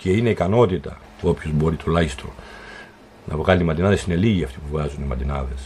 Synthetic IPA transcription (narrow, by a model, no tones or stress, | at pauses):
ce̞ine̞ikɐno̞t̪it̪ɐ̰ | o̞pço̞zbo̞ɾit̪ʰo̞lɐçist̪o | nɐ̰vɣɐlinimɐnd̪inɐðesine̞liʝiɐft̪ipuvɣɐzunimɐd̪inɐðe̞s